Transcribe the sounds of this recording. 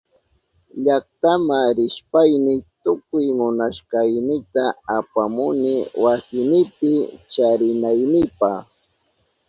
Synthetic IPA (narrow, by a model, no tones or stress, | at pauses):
ʎakt̪amaɾɪʃpajnɪt̪ʊkʊjmʊnaʃkɑjnɪt̪aapamʊnɪwasɪnɪpɪt͡ʃaɾɪnajnɪpɑχ